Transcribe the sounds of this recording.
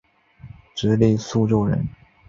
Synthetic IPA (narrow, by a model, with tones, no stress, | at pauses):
ʈ͡ʂɻ̩˧˥li˥˧su˥˧ʈ͡ʂo˥˩ʊɻə̰˧˥n